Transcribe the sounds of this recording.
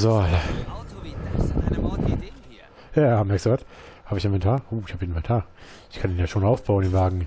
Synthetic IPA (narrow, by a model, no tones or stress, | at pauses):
zola | jaːmɛɐksd̥uːvat | haːbəɪçɪnvɛntʰaːɐʔoːɪçhaːbieːnvɛntʰaːɐ | ɪçkʰandeːnjaːʃoːnaʊfb̥aʊnɪnvaːɡŋ̩